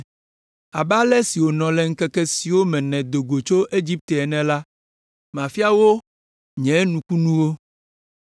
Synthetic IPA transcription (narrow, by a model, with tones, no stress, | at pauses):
a˨ba˦lɛ˦si˨wo˨nɔ̃˨lɛ˨ŋ̩˦kɛ˦kɛ˦si˨wo˦mɛ̃˨nɛ̃˨d̪o˨ɡo˨t͡ʃo˦ʔe˦d͡ʑi˦p̚t̪e˨ɛ˨nɛ̃˨la˦ | mã˨fi˦a˦wo˦ | ɲɛ̃˨˦nũ˨ku˦nũ˦wo˦